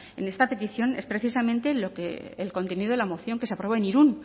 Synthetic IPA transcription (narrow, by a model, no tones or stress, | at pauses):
ḛne̞st̪ape̞t̪iθjo̞ne̞spɾeθisamẽ̞nt̪e̞lokḛḛlko̞nt̪e̞niðelamo̞θjo̞ŋke̞seapɾo̞oeniɾun